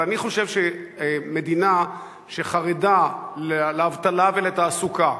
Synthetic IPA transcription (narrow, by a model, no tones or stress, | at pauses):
aniχo̞ʃevʃemed̪ina | ʃeχaʁedaleleavt̪alaveleet̪aːsuka